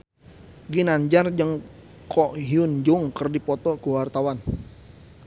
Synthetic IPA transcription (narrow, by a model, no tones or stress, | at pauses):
ɡinaɲd͡ʒard͡ʒəŋ | kʰɔɦiund͡ʒuŋkərdipɔt̪ɔkuwart̪awan